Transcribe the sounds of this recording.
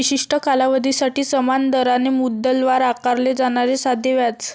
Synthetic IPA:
iɕiʂʈəkalaʋəd̪ʱisaʈiːsəmand̪əɾanemud̪əlʋaɾakaɾled͡zaɽ̃aɾesad̪ʱeʋjat͡s

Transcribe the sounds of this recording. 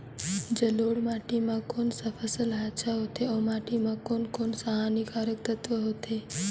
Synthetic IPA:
d͡ʒəloːɽmaːʈimãkoːnsəfʰəsəlɦaːt͡ʃʰaɦoːt̪ʰeɔːmaːʈimãkoːnkoːnsaɦaːnikaːɾək̚t̪ət̪ʋəɦoːt̪ʰe

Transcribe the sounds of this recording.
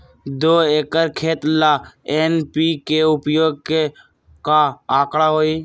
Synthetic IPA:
d̪oːeːkəɾkʰeːt̪laːeːnpiːkeʊpjoːɡ̚ | kaːaːkɽaːɦoːiː

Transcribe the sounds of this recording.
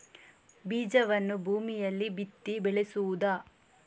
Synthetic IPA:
biːd͡ʒɐʋɐnːubʱuːmijɐlːibit̪ːibɛɭesuud̪aː

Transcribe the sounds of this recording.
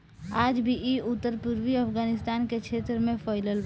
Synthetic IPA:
aːd͡ʒbʱiʔiʊt̪ːəɾpuɾʋiɐfɡaːnɪst̪aːnkekʰeːt̪ɾəmẽfʰɔɪləl

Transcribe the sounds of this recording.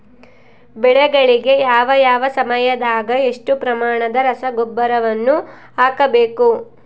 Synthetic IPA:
bɛɭɛɡɐɭiɡe̞jaːʋɐjaːʋɐsɐmɐjɐd̪aːɡɐe̞ʂʈupɾɐmaːɳɐd̪ɐɾɐsɐɡobːɐɾɐʋɐnːu | aːkɐbeːku

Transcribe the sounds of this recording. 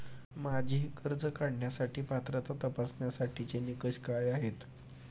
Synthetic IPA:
mad͡ʑʱiːkəɾd͡zəkaɽɳjasaʈiːpat̪ɾat͡sat̪əpasnjasaʈʰit͡senikəɕkajaɦet̪

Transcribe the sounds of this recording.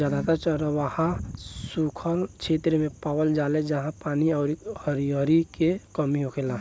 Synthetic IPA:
aːd̪at̪at͡ʃəɾəʋahãsukʰəlt͡ʃʰeːt̪ɾəmẽpaːwəld͡ʒaːled͡ʒəɦãpaːniɔʊɾihəɾiɦəɾikekəmiɦokʰela

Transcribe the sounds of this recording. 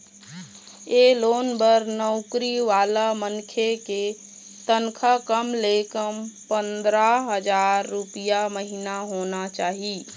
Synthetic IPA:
eloːnbəɾnəʊkɾiʋaːlamənkʰeke | t̪ənkʰakəmlekəmpənd̪ɾaɦəd͡ʒaːɾːupijaməɦinaɦonat͡ʃaːɦi

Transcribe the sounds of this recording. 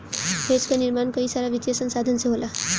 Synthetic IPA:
ped͡zkoniɾmankʌjsaɾaʋit̪jasənsad̪ʱənseɦola

